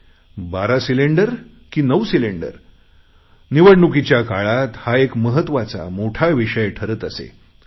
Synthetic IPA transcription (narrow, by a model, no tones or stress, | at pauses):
baɾasileɳɖəɾ | kiːnəwsileɳɖə̰ɾ | niʋəɽɳukit͡ɕjakaɭat̪haekməɦət̪ːʋat͡sa̰moʈʰaʋiʂəjʈʰəɾət̪əsḛ